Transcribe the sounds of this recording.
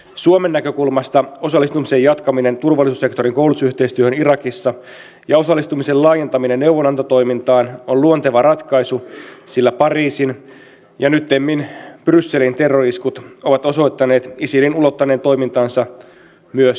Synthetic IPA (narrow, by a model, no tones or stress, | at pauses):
suomenːækø̞kulmɑst̪ɑo̞sɑlːˑist̪umise̞jɑt̪kɑmine̞nt̪urʋɑlːˑisusːe̞kt̪oɾiŋkouluusyht̪e̞ist̪yøhønirɑkisːɑ | jɑo̞sɑlːˑist̪umise̞llɑːje̞nt̪ɑminenːewʋonɑnt̪ɑt̪o̞jmint̪ɑːnolluont̪eʋɑrɑt̪kɑjsusilːæpɑriːsin | jɑnyt̪ːemːinprysːe̞lint̪e̞rːoriskut̪o̞ʋɑt̪o̞so̞jt̪ːɑne̞ːt̪isilinulo̞t̪ːɑneːnt̪o̞jmint̪ɑːnsɑ | myøs